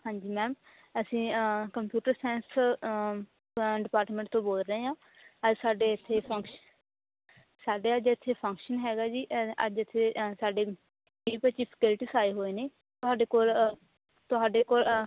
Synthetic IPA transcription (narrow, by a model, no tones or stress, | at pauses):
hãːɲd͡ʒiːmɛːm | əsĩːkəmpjuːʈəɾsɛːns | ɖɪpaːɾʈmə̃ɳʈt̪õːboːlɾəɦeːãː | əd͡ʒsaːɖeːɪt̪ʰːeːpʰəŋkʃ | saːɖeːəd͡ʒɪt̪ʰːeːpʰə̃ŋkʃənɦɛːɡaːd͡ʒiːʔə̰d͡ʒɪt̪ʰːeːsaːɖeː | piːpət͡ʃiːpʰə̥kɪlʈiːsaːeːɦoːeːneː | t̪ʊɦaːɖeːkoːl | t̪ʊaːɖeːkoːl